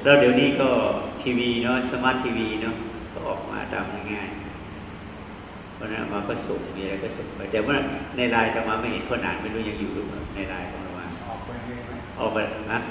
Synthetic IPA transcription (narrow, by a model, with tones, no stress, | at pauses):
lɛ˦˥wdi˨˩˦niː˦˥˩kɔː˥˩t̪ʰiː˧wiː˧nɔ˦˥sa˧maː˦˥t̪ʰːiː˧wiː˧nɔ˦˥ | kɔː˥˩ʔɔ̰ː˨˩k̚ma̰ː˧t̪a̰ː˧mda˥˩jŋaː˥˩j | pʰɔː˧˥na˦˥nʔa̰˧maː˧kɔː˥˩so˨˩˦ŋmiː˧a˧ɾa˧jkɔː˥˩so˨˦ŋpa˧jt̪ɛ˨˩ma˥˩˨na˧jɾaː˧jt̪a˨˩maː˧ma˥˩jhe˨˦nt̪ʰɔː˥˩na̰ː˨˦nma˥˩jɾuː˥˩ja˧ŋjuː˨˩luː˦˧˩ka̰˨˧˩na˧jɾaː˧jkʰɔ̰˨˦ŋɾa˧waː˧ŋ̚˨˩˧ | ʔɔː˨˩k̚a˧ʔa˧˥